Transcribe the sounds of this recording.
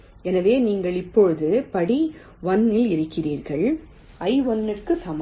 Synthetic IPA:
ɛnɐʋeːniːŋɡɐɭɪpːɔɻɯðɯpɐɽi | ʋɐnːɪlɪɾɯkːɪriːɾɣɐɭ | ɐɪʋɔnːɪrkɯsɐm

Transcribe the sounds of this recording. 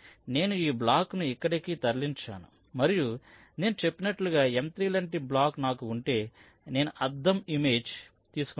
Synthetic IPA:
ne̞ːnuiːblaːknuikːɐɽikit̪ɐɾliɲt͡ʃa̰ːnu | mɐɾiju | ne̞ːnut͡ʃe̞pːinɐʈluɡaːe̞mt̪ɾiːlɐɳʈiblaːknaːkuːɳʈe̞ː | ne̞ːnuʔɐd̪ːɐmime̞ːd͡ʒ | t̪iːsu̥k

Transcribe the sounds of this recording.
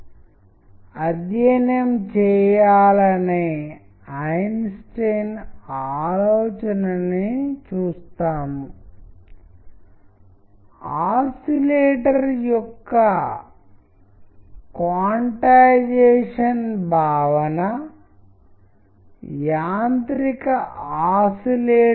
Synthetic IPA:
ɐd̪jɐnjɐmt͡ʃɛːjaːlɐne | ɐjnsʈenaːloːt͡ʃɐnɐnit͡ʃuːst̪aːm | aːsileːʈɐɾjɔkːɐ | kaːɳʈaːd͡ʒɛːʂɐnbʱaːʋɐnɐ | jaːnt̪ɾikɐaːsileː

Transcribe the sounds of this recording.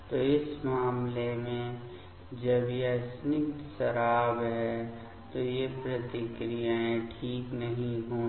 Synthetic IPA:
t̪oɪsmaːmlemẽ | d͡ʒəbjesnɪkt̪ʃəɾaːbɦɛ | t̪ojepɾət̪ɪkɾijaẽʈʰiːknəɦĩɦoː

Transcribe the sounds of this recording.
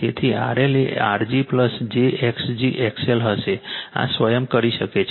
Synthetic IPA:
et̪ʰia̰ɾelḛa̰ɾd͡ʒipləsd͡ʒeʔeksd͡ʒiʔɛkselɦəʃea̰sʋəjəmkəɾiʃəket͡ʃʰ

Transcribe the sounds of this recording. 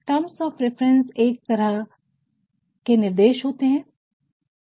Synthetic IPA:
ʈɐmsɔːfɾɪfɾə̃nseːk̚t̪ɐɾa | kenɪɾd̪eːʃɦoːt̪eɦɛ̃ː

